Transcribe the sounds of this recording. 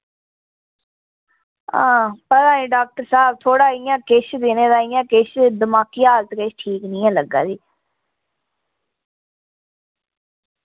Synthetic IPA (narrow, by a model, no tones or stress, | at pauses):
ãːpət̪ãːnĩːɖaːk̚ʈəɾsaːb̚t̪ʰoːɽaːɪjãːkɪʃd̪eːneːd̪aːɪjãːkɪʃd̪əmaːkijalt̪keʃʈʰiːknĩːãːləɡa̰ːd͡ʒiː